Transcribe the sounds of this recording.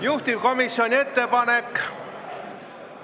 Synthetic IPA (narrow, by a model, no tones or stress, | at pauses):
juht̪ibko̞misjo̞nʲie̞t̪ːe̞pɑne̞kː